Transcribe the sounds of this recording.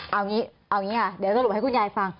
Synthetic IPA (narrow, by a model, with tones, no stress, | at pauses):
ʔaː˨˩wɲi˨˦ʔaː˨˩wŋɲi˧˦aː˨˩ɗe˨˩˨za˧lha˨˦kːɲaː˨˩˨jfaː˨˩ŋ